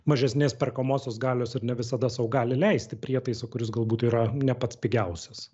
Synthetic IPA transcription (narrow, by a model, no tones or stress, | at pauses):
mɐʒʲɛsʲnʲeːspʲɛrkɐmoːsʲoːsɡɑːlʲoːsɪɾnʲɛʋʲɪsɐd̪ɐsɐʊɡɑːlʲɪlʲɛɪsʲt̪ʲɪpʲɾʲiɛt̪ɐɪsɐkʊɾʲɪsɡɐlˠbuːt̪iːɾɐnʲɛpɐt̪ʲsʲpʲɪɡʲɛʊsʲɛs